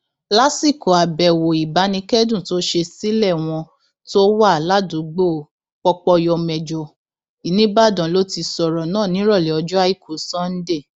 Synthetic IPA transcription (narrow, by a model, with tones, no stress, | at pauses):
la˦si˦˨ko˨a˨bɛ˨wo˨i˨ba˨˦nĩ˧˦kɛ˦dũ˦˨to˦ʃe˧si˦lɛ˦˨w̃ɔ̃˧ | to˦wa˦˨la˦dũ˨˦ɡ͡bo˦˨ | k͡pɔ˧k͡pɔ˧jɔ˧mɛ˨d͡ʒɔ˨ | i˨nĩ˦ba˦˨dã˨lo˦ti˧sɔ˨ɾɔ˨nãː˦˨nĩ˨˦ɾɔ˦˨lɛ˨ɔ˧d͡ʒɔ˦a˧˦i˦˨kʰo˨˦sɔ̃˦n̩˦de˦˨